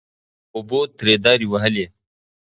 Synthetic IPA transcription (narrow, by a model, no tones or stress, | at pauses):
uboːt̪ɾeːd̪ɑːɾiwɐɦɐle